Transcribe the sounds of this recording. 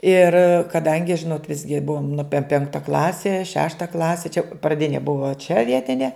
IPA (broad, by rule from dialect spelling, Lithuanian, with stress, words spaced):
ɪr kɐˈdɐŋʲɡʲɪ ˈʒʲɪnoːt ˈʋʲɪzʲɡʲɪ ˈbʊʋoːm nʊ pʲɛ ˈpʲɛŋktɐ ˈklˠɑːsʲɪ ˈʃʲæːʃtɐ ˈklˠɑːsʲɪ t͡ʃʲɛ prɐˈdʲɪnʲɪ ˈbʊʋɐ t͡ʃʲɛ ˈʋʲiɛtʲɪnʲɛ